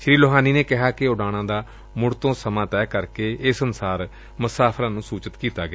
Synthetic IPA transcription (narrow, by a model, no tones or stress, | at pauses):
ʃɾiːloɦaːniːneːkɪɦaːkɪʊɖaːɽ̃ãːd̪aː | mʊɽt̪õːsəmãːt̪ɛːkəɾkeːɪsənsaːɾ | məsaːpʰɾãːnũːsuːt͡ʃət̪kiːt̪aːɡɪaː